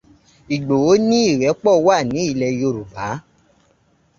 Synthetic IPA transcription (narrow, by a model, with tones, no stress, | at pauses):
i˨ɡ͡bo˨o˨˦nĩ˦i˦˨ɾɛ˨˦k͡pɔ˦˨wa˦˨nĩ˨˦i˦˧˨lɛ˧jo˧˨ɾu˨ba˨˦